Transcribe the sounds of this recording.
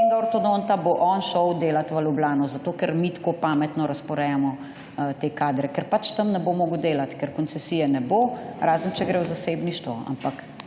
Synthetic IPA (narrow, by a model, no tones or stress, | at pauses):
eŋɡaɔɾt̪od̪ont̪aboʔɔnʃɔwd̪eːlat̪ʋɐlublaːnɔzat̪oːkɛɾmit̪kopamɛt̪nɔɾɐspɔɾɛjamɔ | t̪ekaːd̪ɾɛkɛɾpat͡ʃt̪ɐmnɛbomoːɡəwd̪eːlat̪kɛɾkɔnt̪sɛsijɛnɛboːɾaːzənt͡ʃɛɡɾɛwzasebniʃt̪ʋɔa̰mpak